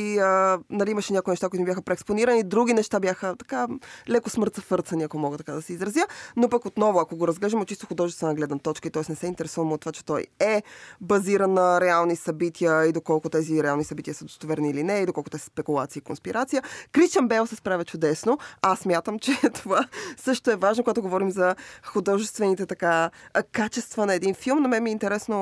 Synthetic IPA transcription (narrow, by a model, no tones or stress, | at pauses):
iənɐliiməʃɛnʲakoinɛʃt̪akoit̪ʊmibʲjaxəpɾɛːksponiɾənid̪ɾuɡinɛʃt̪abjaxət̪ɐ̥kalɛkosmɤɾt̪zɐfɤɾt̪sɐniɐkomɔɡət̪ɐkad̪ɐsɛizɾɐzjənopɐkot̪nɔvʊɐkoɡoɾɐzɡlɛʒəmot̪ːt͡ʃist̪oxʊd̪ɔʒɛst̪vənəɡlɛd̪nət̪ɔt͡ʃkəit̪ɔɛsnɛsɛint̪ɛɾɛsuvəmot̪ːovat͡ʃɛ̥t̪ɔjɛbɐziɾənːəɾɛalˠnisɐbit̪ʰiəid̪okɔlˠkʊt̪ɛziɾɛalˠnisɐbit̪ʲijəsəd̪ost̪ovɛɾniilinɛid̪okɔlˠkot̪ɛsə̥spɛkulˠat̪siikonspiɾʔat̪sijəkɾiʃt͡ʃ̪jɐmbɛlˠsɛspɾavʲjɐt͡ʃʊd̪ɛsnoassmʲjat̪əmt͡ʃɛt̪ovasɤʃt̪oɛvaʒnokoɡat̪oɡovɔɾimzɐxʊd̪ɔʒɛst̪vɛnit̪ɛt̪ɐkakat͡ʃɛst̪vənɐɛd̪infilˠmnɐmɛnmiːnt̪ɛɾɛsno